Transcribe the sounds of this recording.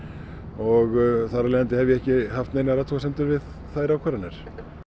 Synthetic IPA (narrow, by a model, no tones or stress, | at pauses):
ɔɣθaɾalɛːɣant̪ɪhɛvjɛɛhcɪɦaft̪nejnaɾat̪ʰuːsɛnt̪ʏɾvɪð | θajɾawkʰvɛːɾanɛɾ̥